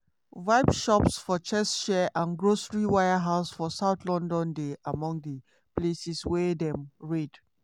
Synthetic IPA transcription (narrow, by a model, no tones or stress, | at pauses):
vaɪbʃɔpsfɔt͡ʃɛsʃɛʔãnɡɹosɹiwajəɦaʊsfɔsaʊtlɔ̃ndɔ̃ndeʔamɔ̃ŋdə | plesiswɛdɛ̃mɹed̥